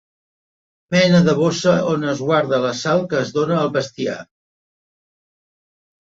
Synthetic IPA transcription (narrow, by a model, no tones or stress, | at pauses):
mɛnəðəβ̞osəonəzɣwaɾðələsalˠkəːzðonəːlˠβəst̪ia̰